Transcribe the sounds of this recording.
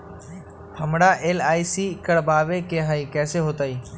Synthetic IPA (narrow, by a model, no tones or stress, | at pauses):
həmɽaːʔeːlaːiːsiːkəɽbaːʋeːkeːɦaiːkɛːseːɦoːt̪aːiː